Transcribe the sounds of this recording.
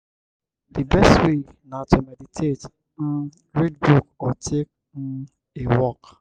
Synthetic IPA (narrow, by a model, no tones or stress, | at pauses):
dibɛstwe | natʰumeditʰet | m̩ | ɹed̚buk̚ɔtʰek̚ | m̩ | ewɔk